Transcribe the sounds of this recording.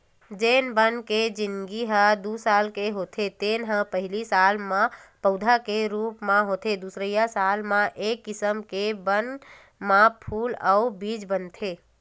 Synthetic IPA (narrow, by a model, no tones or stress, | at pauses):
d͡ʒeːnbənked͡ʒinɡiɦə̃d̪usalkeɦot̪ʰet̪enɦə̃pəɦilisalmãpəʊd̪ʱakeɾupmãɦot̪ʰed̪usɾəjasalmãʔekːisəmkebən | mãpʰuːlaubid͡ʒbənt̪ʰe